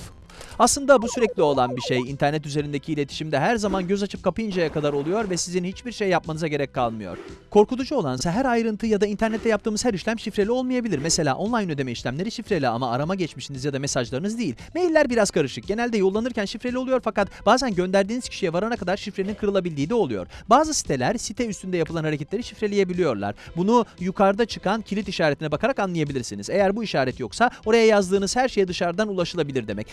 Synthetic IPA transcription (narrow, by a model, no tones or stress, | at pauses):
aslˠɯnd̪abusyɾɛclʲio̞lˠanbiʃejint̪ʰæɾnɛt̪yze̞ɾind̪ecʰiːlʲe̞t̪ʰi̥ʃimd̪ɛɦæɾzamanɟøzat͡ʃʰɯp̚kʰapɯjind͡ʒajakʰad̪aɾo̞lˠujo̞ɾvɛsizinhit͡ʃbiɾʃejːapmanɯzaɟe̞ɾɛc̚kʰːalˠmɯjo̞̰ɾ̥kʰo̞ɾkut̪ʰud͡ʒuo̞lˠansaɦæɾajɾɯnt̪ʰɯjad̪aint̪ʰæɾnɛt̪ʰːɛjap̚t̪ʰɯːmɯz̥hæɾiʃlʲæmʃifɾe̞lʲio̞lˠmajabilʲiɾmɛse̞lʲa̰ːʔonlˠajnø̞d̪e̞mɛiʃlʲæmlʲe̞ɾiʃifɾe̞lʲia̰maaɾamaɟɛt͡ʃmiʃinizjad̪ame̞saʒlˠaɾɯnɯzd̪ejilʲme̞jilʲːæɾbiɾaz̥kʰaɾɯʃɯk̚ɟ̥e̞nælʲd̪ɛjo̞lˠːanɯɾcænʃifɾe̞lʲiolˠujo̞ɾfakat̪b̥aːzænɟø̞nd̪æɾd̪iːniz̥cʰiʃijɛvaɾanakʰad̪aɾʃifɾe̞ninkʰɯɾɯlˠabilʲd̪iːd̪ɛo̞lˠujo̞̰ɾ̥baːzɯsi̥t̪ʰelʲæɾsit̪ʰɛyst̪ʰynd̪ɛjapɯlˠanhaɾecʰet̪lʲe̞ɾiʃifɾe̞lʲeje̞bilʲijo̞ɾlˠa̰ɾbunujukʰaɾd̪at͡ʃʰɯkʰancʰiit̪iʃaːɾet̪ʰinɛbakʰaɾakanlˠɯjabilʲiɾsinize̞jæɾbuiʃaːɾɛt̪jo̞ksao̞ɾajajazd̪ɯːnɯz̥hæɾʃe̞jd̪ɯʃaɾd̪anulˠaʃɯlˠabilʲiɾd̪emɛ̰c